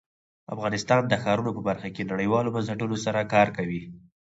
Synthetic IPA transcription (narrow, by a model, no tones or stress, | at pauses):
a̰fɣɑnɪst̪ɑnd̪əxɑɾunopəbaɾxakenaɽəjwɑlobansaʈunosaɾakɑɾkawi